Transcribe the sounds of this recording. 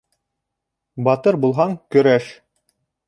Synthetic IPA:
bɑt̪ɤɾbulˠɦɑŋkɵ̆ɾæʃ

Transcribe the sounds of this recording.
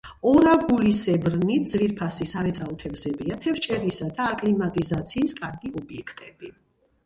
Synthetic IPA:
ɔɾaɡulisɛbɾnit̪̚ʰd̪z̥viɾpʰasisaɾɛt̪sʼaut̪ʰɛbzɛbiat̪ʰɛft͡ʃʼɛɾisad̪aːkʼlimat̪ʼizat̪sʰiːskʼaɾɡiɔbiɛkʰt̪ʼɛb̥i

